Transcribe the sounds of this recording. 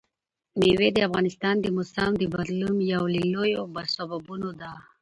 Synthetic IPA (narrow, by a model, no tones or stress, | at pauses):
mewed̪əafɣɑnɪst̪ɑnd̪əmosamd̪əbaɾlumjawlelojobasababunod̪a